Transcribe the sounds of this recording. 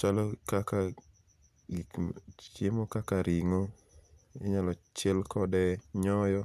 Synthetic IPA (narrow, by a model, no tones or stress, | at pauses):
t͡ʃalɔkaka | it͡ʃemokakaɾiŋo | ḭɲalɔt͡ʃɛlkɔdɛɲɔjɔ